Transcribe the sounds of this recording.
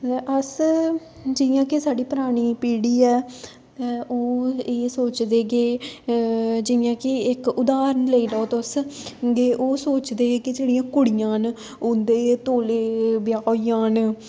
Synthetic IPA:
ʔəs | d͡ʒɪjãːkɪsaːɽiːpəɾaːɽ̃iːpiːɽiːɛː | t̪ɛ̃ːʔoːeːsoːt͡ʃd̪eːɡeː | d͡ʒɪjãːkɪɪkʊd̪aːɾənləiːlɔːot̪ʊsɡeːʔoːsoːt͡ʃd̪eːkɪd͡ʒeːɽijãːkʊɽɪjãːn | ʊnd̪eːt̪oːleːbɪjaːiːãːn

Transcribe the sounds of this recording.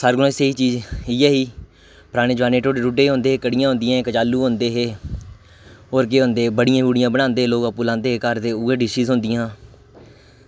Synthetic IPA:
səɾɡlõːɪseiːt͡ʃiːd͡ʒiːɛːɦiː | pəɾaːɽ̃eːd͡ʒəʋaːneːʈoːɖɾuːɖeːɦõːnd̪eːkəɽɪjãːɦʊ̃nd̪ɪjãːkət͡ʃaːlːuːɦõnd̪eːɦeː | oːɾk̬eːɦõnd̪eːbəɽɪjãːbuːɽɪjãːbəɽãːnd̪eːloːkəpːuːlãːnd̪eːɦeːkəɾd̪eːʊɡeːɖɪʃiːzɦʊnd̪ɪjãː

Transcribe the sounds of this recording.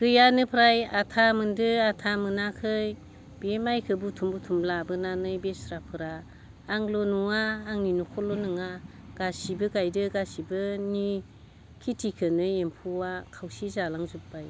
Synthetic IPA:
ɡ̥ɯjanɯpʰɾajatʰamɯndɯatʰamɯnakʰɯj | b̥emajkʰɯbutʰumbutʰumlabɯnanɯjbesɾapʰɯɾaː | ŋlonuŋaːŋninukʰɔlonɯŋa | ɡ̥asibɯɡajdɯɡasibɯni | kʰitʰikʰɯnɯjempʰuwakʰawsizalaŋzup̚baj

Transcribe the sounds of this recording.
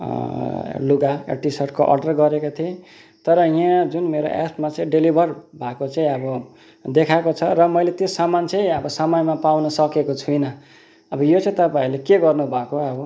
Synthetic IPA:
luɡaḛʈisʌʈkoʔʌ̰rɖʌrɡʌɾekot̪ʰiẽ | t̪ʌɾʌjãd͡zunmeɾo̰ʔḛsʈmat͡sʌ̃ĩɖilibʱʌrbʱakot͡sʌĩʌbʌ | d̪ekʰakot͡sʰʌɾʌmʌjlet̪josamant͡sʌj̃ʌbʌsʌmʌjmapawnʌsʌkekot͡sʰujnʌ | ʌbʌjot͡sʌ̃ĩt̪ʌpãĩlekeɡʌrnubʱakoʌbʌ

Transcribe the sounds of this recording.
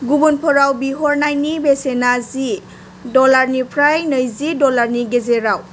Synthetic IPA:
ɡubunpʰɔɾawbiɦɔɾnajnibesenazi | dɔlaɾnipʰɾajnəjzidɔlaɾniɡezeɾaw

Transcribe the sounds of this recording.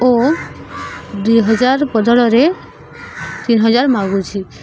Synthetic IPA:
o | d̪ujɦɔd͡ʒaɾpɔd̪ʱɔɽɔɾe | t̪inɦɔd͡ʒaɾmaɡut͡ʃʰi

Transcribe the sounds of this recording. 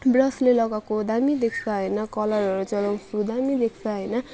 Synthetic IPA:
brʌslelʌɡakod̪amid̪ekʰt͡sʰaɦʌjnʌkʌlʌrʌɾut͡sʌlaw̃sud̪amid̪ekʰt͡sʰaɦʌjnʌ

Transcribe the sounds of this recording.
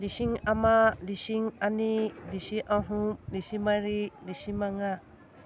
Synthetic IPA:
lisiŋamalisiŋanilisiʔaɦumlisimaɾilisimaŋa

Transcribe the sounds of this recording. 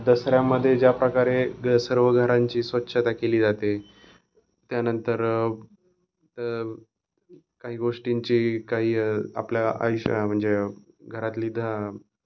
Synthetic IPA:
d̪əsɾjaməd̪ʱːjed͡ʑjapɾəkaɾesəɾʋəɡʱəɾaɲt͡ɕiːsʋət̪ːɕʰət̪akeliːd͡zat̪e | t̪janənt̪əɾ | t̪ə | kaɦiːɡoʂʈiɲt͡ɕiːkaɦiːa̰pljaa̰jɕm̤əɳd͡ze | ɡʱəɾat̪liːd̪ʱa

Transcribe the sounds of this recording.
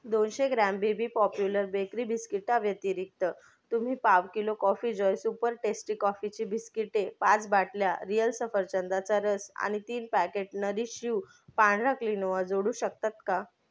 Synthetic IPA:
d̪onɕeɡɾambibiːpɔpjuləɾbekɾibiskiʈaʋjət̪iɾik̚t̪ə | t̪um̤iːpaʋkilokɔfiːd͡ʑɔjsupəɾʈesʈikɔfit͡ɕiːbiskiʈepat͡sbaʈljaɾijəlsəfəɾt͡ɕənd̪at͡saɾəsa̰ɽ̃it̪iːnpækeʈnəɾiːɕiw | paɳɾaklinəʋad͡zoɽuːɕək̚t̪at̪ka

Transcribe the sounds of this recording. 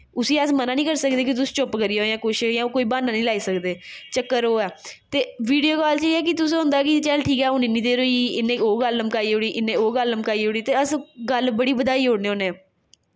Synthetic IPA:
ʊsiːəsmənaːnĩːkəɾsəkd̪eːkɪt̪̬ʊsĩ̥ːt͡ʃʊpkəɾijãɦojãːkʊʃjãːoːkoːiːbaːnãːnĩːlaːiːsəkd̪eːt͡ʃəkːəɾoːɛːt̪eːʋiːɖijoːkɔːlt͡ʃəiːɛːk̬ɪt̪ʊs̬ɦʊ̃nd̪aːkɪt͡ʃɛlʈʰiːkɛːʊniːnĩːd̪eːɾoːiɪnẽːoːɡəlːəmkaːiːoːɽiːʔɪnːẽːoːɡəlːəmkaːiːɦoːɽiːt̪eːəsɡəlbəɽiːbəd̪aːiːɦoːɽnẽːoːneː

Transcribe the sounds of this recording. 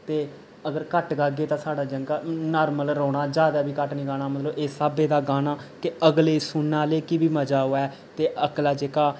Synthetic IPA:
t̪eː | əɡəɾkəʈɡaːɡeːt̪ãːsaːɽaːd͡ʒəŋɡaːnaːɾməlɾoːɳaːd͡ʒaːd̪aːbiːkəʈnĩːɡaːnaːmət̪ləbeːsaːbeːd̪aːɡaːnaːkɪəɡleːsʊnːaːleːkɪbiːməd͡ʒaːɦoːɛː | t̪eːʔəklaːd͡ʒeːkaː

